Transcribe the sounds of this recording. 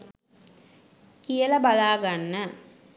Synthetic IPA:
kijələbalaːɡanːə

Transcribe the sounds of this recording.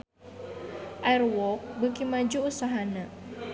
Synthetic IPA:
ʔajrwɔk̚bəkimad͡ʒuusaɦanə

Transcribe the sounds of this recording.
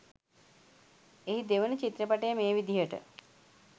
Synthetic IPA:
eɦid̪eʋənət͡ʃit̪ɾəpaʈejəmeːʋid̪ijəʈə̰

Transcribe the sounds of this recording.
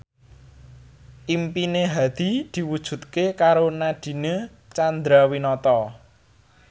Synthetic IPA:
ʔimpineɦad̪̥i̤d̪̥i̤wud̥ʒ̥ṳt̪̚kekaɾonaɖ̪̥i̤ne | t͡ʃand̪ɾawinɔt̪ɔ

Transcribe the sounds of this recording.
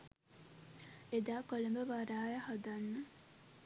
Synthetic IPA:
ed̪aːkoləmbəʋaɾaːjəhad̪anːə

